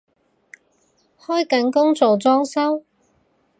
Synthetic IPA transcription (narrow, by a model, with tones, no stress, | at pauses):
hɔː˥jkɐ˨˥nkʊ˥ŋt͡so˨wt͡sɔː˥ŋsɐ˥w